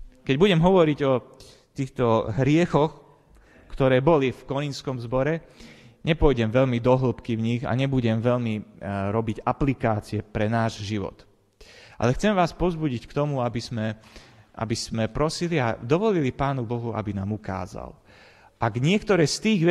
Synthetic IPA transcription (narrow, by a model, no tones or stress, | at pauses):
kɛɟbuɟɛmɦɔʋɔɾiɟɔ | t̪iːxt̪ɔɦɾɪɛxɔx | kt̪ɔɾɛːbɔlifkɔɲinskɔmzbɔɾɛ | ɲɛpʊɔjɟɛmʋɛʎmid̪ɔɦl̩pkivɲiɣa̰ɲɛbuɟɛmʋɛʎmiɾɔbiɟaplikaːt͡siɛpɾɛnaːʒʒiʋɔ̰t̪ | ʔa̰lɛxt͡sɛmʋaːspɔzbuɟickt̪ɔmuabizmɛʔa̰bizmɛpɾɔsilia̰d̪ɔʋɔlilipaːnubɔɦua̰binaːmuka̰ːza̰l | ʔaɡɲɪɛkt̪ɔɾɛːst̪iːɣʋ